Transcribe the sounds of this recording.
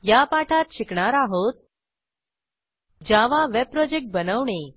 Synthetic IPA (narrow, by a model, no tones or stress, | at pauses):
japaʈʰat̪ɕikɳaɾaɦot̪̚ | d͡ʑaʋaʋeb̚pɾɔd͡ʑek̚ʈ̚bənəʋɳe